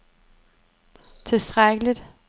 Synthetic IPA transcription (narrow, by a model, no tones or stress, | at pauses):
t͡sʰe̝sd̥ʁaɡ̥əlid̥